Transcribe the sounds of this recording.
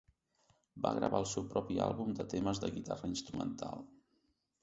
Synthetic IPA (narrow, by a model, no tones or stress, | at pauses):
baɣɾə̰βaəlˠsɛwpɾɔpialˠβumd̪ət̪eməzðəɣit̪arəinst̪ɾumənt̪alˠ